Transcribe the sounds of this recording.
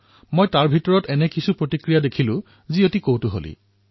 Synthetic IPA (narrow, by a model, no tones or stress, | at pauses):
mojtaɹbʱitɔɹɔtɛnɛkisupɹotikɹijadekʰilʊ̃ | ziotikowtʊɦo̰lḭ